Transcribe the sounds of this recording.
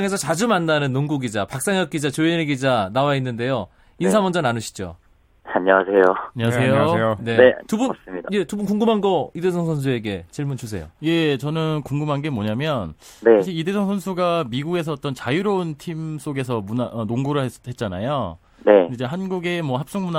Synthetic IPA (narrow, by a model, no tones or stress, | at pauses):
ŋe̞s̬ʰʌt͡ɕad͡ʑumandanɯnːoŋɡuɡid͡ʑapak̚s͈aŋjʌk͈̚id͡ʑat͡ɕoineɡid͡ʑanawainːɯnde̞jo | insʰamʌnd͡ʑʌnanɯɕʰi̥d͡ʑo̰ | aɲʌwasʰe̞joaɲwasʰejoone̞etubuns͈ɯmidaje̞tubunkuŋɡɯmɦanɡʌide̞sʰʌŋsʰʌns̬ʰue̞ɡe̞t͡ɕiɭmunt͡ɕus̬ʰe̞jo̰je̞t͡ɕʌnɯnkuŋɡɯmɦanɡe̞mwoɲamjʌn | neɕʰiide̞sʰʌŋsʰʌnsʰuɡamiɡuɡe̞s̬ʰʌːt͈ʌnt͡ɕajuɾountʰims͈oɡe̞s̬ʰʌmunaʔʌnoŋɡuɾɯɭhe̞t̚t͡ɕ͈ana̰jo | ne̞id͡ʑeɦanɡuɡe̞mwʌhap̚s͈oŋmuna